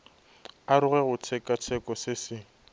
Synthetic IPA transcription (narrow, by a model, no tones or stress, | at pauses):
aɾʊɣɛɣʊt͡sʰɛkʼat͡sʰɛkʼɔsɪsɪ